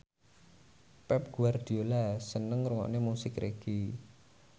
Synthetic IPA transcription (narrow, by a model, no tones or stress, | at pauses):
pɛp̚ɡ̥uard̪̥i̤olasənəŋɾuŋɔ̰ʔnemusɪkɾeɡ̥i